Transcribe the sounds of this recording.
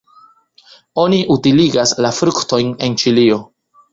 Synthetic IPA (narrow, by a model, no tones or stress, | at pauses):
o̞niʔutiliɡaslafɾukto̞jne̞nt͡ʃilio̞